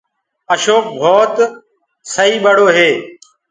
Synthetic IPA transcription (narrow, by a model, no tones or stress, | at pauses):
əʃoːk̚bʱoːt̪ | səɦiːɓəɽoːɦeː